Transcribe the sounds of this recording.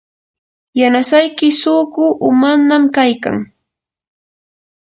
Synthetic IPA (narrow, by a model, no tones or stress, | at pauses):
janasajkɪsʊkʊʔʊmaɾnamkajka̰ŋ